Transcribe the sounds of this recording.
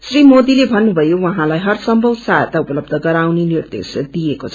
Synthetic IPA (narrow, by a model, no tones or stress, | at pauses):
srimod̪ilebʱʌnːubʱʌjowʌɦãlajɦʌrsʌmbʱʌwsajt̪aupʌlʌbd̪ʱʌɡʌɾawnenird̪ḛsd̪ijekot͡sʰʌ̥